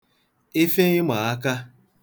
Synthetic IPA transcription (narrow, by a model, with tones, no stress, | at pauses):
e˦fe˦ɲɪ˦mʷa˨a˦ka˦